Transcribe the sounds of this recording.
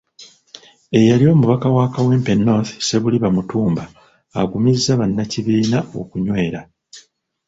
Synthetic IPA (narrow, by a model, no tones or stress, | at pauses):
e̞jalio̞ːmuβakawaːkawe̞ːmpe̞nːoθse̞βuliβamutuːmbaː | ɡumizːaβanːaciβiːnao̞̰kuɲwe̞ːɾa